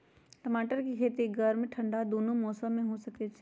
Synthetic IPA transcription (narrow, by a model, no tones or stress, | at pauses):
ʈɐmaːʈəɾkikʰeːt̪iɡəɾmẽʈʰɐ̃ɳɖad̪oːnomɔːsəmẽɦosɐket͡ʃʰ